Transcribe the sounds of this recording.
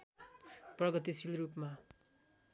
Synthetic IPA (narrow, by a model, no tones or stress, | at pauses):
prʌɡʌt̪isilrupma